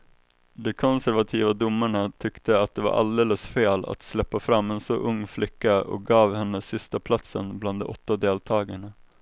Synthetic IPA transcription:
d̪ɛkʰɔnsæɾvat̪ʰiːvad̪ʊmːaɳat̪ʰʏkt̪əat̪̚d̪ɛva̰ɾʔa̰ld̪eːləsfeːla̰t̪slɛpːafɾamːɛnsɔʔɵŋːflɪkːaɔ̰k̚ɡɑːvhɛnːəsɪst̪apʰlat̪sənbland̪ɛ̰ʔɔt̪ːad̪eːlt̪ʰɑːɡaɳə

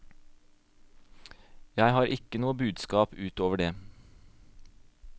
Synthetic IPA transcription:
jæɪhɑːɾʔɪkənuːəbʉːd̪skɑːpʉːt̪oːʋəɖeː

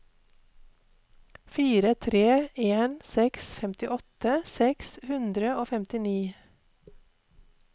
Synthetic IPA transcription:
fiːɾət̪ʰɾeːeːnsɛksfɛmt̪ɪʔɔt̪əsɛkshʉnd̪ɾəoːfɛmt̪ɪniː

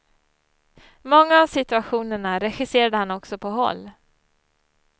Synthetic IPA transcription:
mɔŋːaːvsɪt̪ɵaɧuːnəɳaɾɛɧɪseːɾad̪əhanɔksɔpʰɔɦɔ̰lː

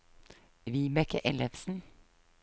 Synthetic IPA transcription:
ʋiːbɛkəʔɛləʋsn̩

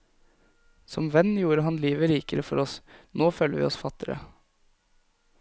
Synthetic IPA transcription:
sɔmʋɛnːjuːɾəɦɑnliːʋəɾiːkəɾəfɔɾɔsnoːføːləʋḭːɔsfɑt̪ːɪɾə̰

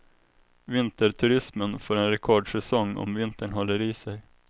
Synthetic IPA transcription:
vɪnt̪əɾʈʰɵɾɪsmənfɔːɾɛnɾɛkʰɔɖʂɛsɔŋːɔ̰mvɪnt̪əɳɦɔlːəɾiːsɛj

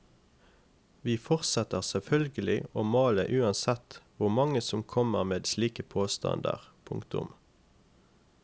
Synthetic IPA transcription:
ʋiːfɔʁsɛt̪əʁsɛlfœlɡəlɪoːmɑːləʔʉːɑnsɛt̪ʋʊʁmɑŋəsɔmkʰɔməʁmeːd̪sliːkəpʰoːst̪ɑ̰nd̪ə̰ʁpʰʊŋkt̪ʊ̰m

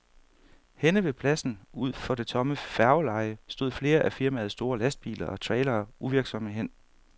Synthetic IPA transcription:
henəʋe̝pʰlæsn̩uð̞̰ˠfɒ̽d̥e̝t͡sʰɒ̽məfæɐʊlɑ̈ɪəsd̥o̝ð̞̰ˠfle̝ːɐʔæfiɐmæð̞̩ˠsd̥o̝ːɐlæsd̥̚b̥ḭːlɐʔɒ̽t͡sʰʁɛɪlɐːuʋiɐɡ̥sɒ̽məɦen̰

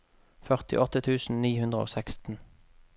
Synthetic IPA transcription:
fœʁt̪ɪ̰ʔɔt̪ət̪ʰʉːsn̩niːhʉnd̪ʁəo̰ːsækst̪n̩

